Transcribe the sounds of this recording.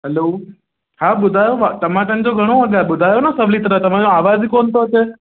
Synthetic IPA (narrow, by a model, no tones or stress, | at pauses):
ɦɛloː | haɓʊd̪ʱajoʋat̪əmãʈ̪ə̃nd͡ʒõɡʱəɽ̃õəɡaɾɓʊd̪ʱajonasəʋlit̪ɾət̪əmãd͡ʒõaʋad͡ʒkont̪oɦət͡ʃʰe